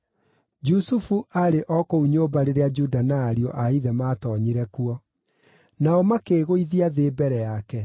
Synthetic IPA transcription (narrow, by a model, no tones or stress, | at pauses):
d͡ʒusufuʔaɾeʔɔkouɲoːbaɾeɾead͡ʒudanaːɾiɔʔaiðɛmaːtɔɲiɾɛkuɔ | naɔmakeːɣoiðiaðeːbɛɾɛjakɛ